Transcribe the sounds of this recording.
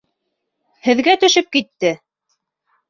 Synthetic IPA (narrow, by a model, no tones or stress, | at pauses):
hɘ̆ðɡæt̪ɵ̆ʃɵp̚kit̪ːɘ